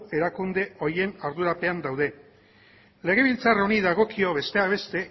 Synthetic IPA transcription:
e̞ɾakund̪e̞o̞ɾje̞naɾðuɾape̞and̪awðe̞ | le̞ɣ̞e̞βilt͡saroniðaɣ̞o̞kio̞βe̞st̪e̞aβ̞e̞st̪e̞

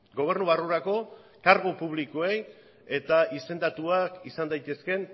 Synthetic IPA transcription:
ɡo̞β̞e̞ɾnuβaruɾako̞ | kaɾɣopuβlikoe̞j | e̞t̪aʔise̞nd̪at̪uakisand̪ajt̪e̞ske̞n

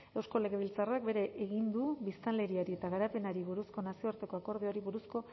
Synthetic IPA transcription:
e̞wsko̞le̞ɣeβ̞ilt͡sarak̚be̞ɾe̞ʔeɣind̪uβist̪anle̞ɾiaɾie̞t̪aɣaɾape̞naɾiβuɾusko̞nasio̞aɾt̪e̞ko̞ako̞ɾð̞eo̞ɾiβuɾusko̞

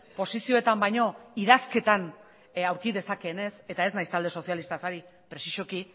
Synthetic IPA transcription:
po̞sisio̞e̞t̪ambajɲo̞iðaske̞t̪an | awɾkiðe̞sake̞ːne̞se̞t̪aeznajst̪ald̪e̞so̞sjalist̪asaɾi | pɾe̞siʃo̞ki

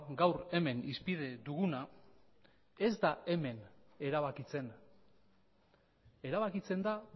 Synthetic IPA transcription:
ɡawre̞me̞nispið̞e̞d̪uɣuna | e̞zd̪ae̞me̞ne̞ɾaβakit͡se̞n | e̞ɾaβakit͡se̞nd̪a

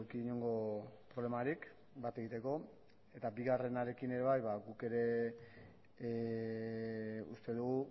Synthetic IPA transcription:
ɾkiɲoŋɡo̞pɾo̞βle̞maɾik | bat̪e̞ɣit̪e̞ko̞ | e̞t̪abiɣare̞naɾe̞kine̞ɾe̞βajβaɣuke̞ɾe̞ | ṵst̪e̞ðuɣu

